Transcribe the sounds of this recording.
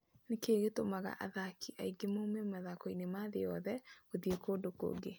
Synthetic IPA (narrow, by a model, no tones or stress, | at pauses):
nekeɣetomaɣa̰ʔa̰ðakʰiʔaiɡemoumɛmaðakɔinemaðejɔðɛoðiekoːdoko̰ːɡe